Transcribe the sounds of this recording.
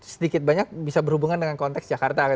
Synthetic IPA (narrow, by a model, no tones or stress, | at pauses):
sədikɪt̪̚baɲak̚bisabərhubuŋandəŋankɔnt̪ɛksd͡ʒakart̪ak